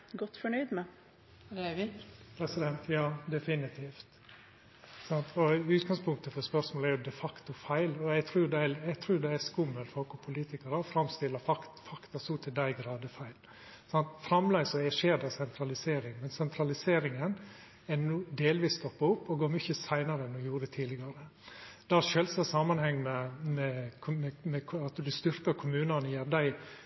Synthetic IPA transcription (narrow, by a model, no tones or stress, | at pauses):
ɡɔt̪ːfɔɳœʏd̪mɛ | pʰɾɛsɪd̪ɛnt̪jɑːd̪ɛfɪnɪt̪ʰiːft̪ | sɑnt̪ʰɔʉːt̪ɡɑŋspʰʊŋk̚t̪əfɔɾspœɾʂmoːlæɾjʊd̪ɛfɑkt̪ʊfæɪlɔɛɪɡt̪ʰɾuːjʊd̪ɛɛɛɡt̪ʰɾuːɾjʊd̪ɛæskʊməlt̪fɔɔlkɔpʰʊliːt̪ɪkɑɾəɔfɾɑmst̪ɪlːɑfɑkfɑkt̪ɑsuːt̪ʰɪd̪æɪɡɾɑːd̪əfæɪl | sɑnt̪fɾɑmlæɪsɔɛʂeːd̪ɑsɛnt̪ʰɾɑlɪseːɾɪŋmɛnsɛnt̪ʰɾɑlɪseːɾɪŋən | ɛnuːd̪eːlʋiːst̪ɔpːɑʊpːɔɡoːɾmʏçəsæɪnɑɾəɛnːɔjuːɾəɛt̪ʰiːdlɪɡɑɾə | d̪̥ɑʃœlsɑsɑmɑnhɛŋːmɛmɛmɛmɛkʰɑt̪d̪ʉst̪ʏɾkəɾkʰʊmʉːnɑnjæːɾd̪æɪ